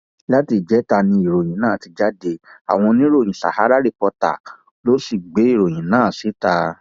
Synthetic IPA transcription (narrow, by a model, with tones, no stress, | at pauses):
la˦ti˨˧˨d͡ʒɛ˨˦ta˧˨nĩ˧i˨ɾo˨j̃ĩ˨˦nãː˦˨ti˨˧d͡ʒa˦de˧a̰˨w̃ɔ̃˧nĩ˦ɾo˦˨j̃ĩ˨sa̰˨ha˨˦ɾa˦ɾe˦˧pɔ˧ta̰˨ | lo˦si˦˨ɡ͡be˨˦i˦˨ɾo˨j̃ĩ˨˦nãː˦˨si˨˦ta˧